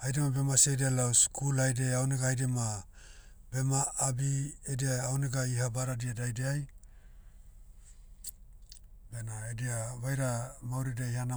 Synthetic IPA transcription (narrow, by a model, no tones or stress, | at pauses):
ajdemabe̞masejdealawskulajdeawniɡaajdema | be̞maːbiediaːwniɡaihabaɾadiadajdeaj | benaediaβajɾamawɾidajhana